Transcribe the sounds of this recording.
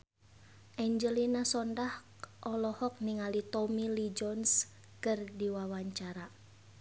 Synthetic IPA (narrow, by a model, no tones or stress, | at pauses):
ʔɛɲd͡ʒəlinasɔndah | ʔɔlɔhɔk̚niŋalit̪ɔmilid͡ʒɔns | kɨrdiwawaɲt͡ʃaɾa